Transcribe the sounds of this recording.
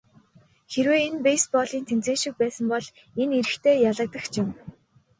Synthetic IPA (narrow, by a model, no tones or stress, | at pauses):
xeɾweːenpejspɔɮiːnt̪ʰemt͡seːnʃĭk̚pæːsə̆mpɔɮ | eneɾɘ̆xt̪ʰeːjaɮə̆k̚t̪ə̆xt͡ɕʰɪm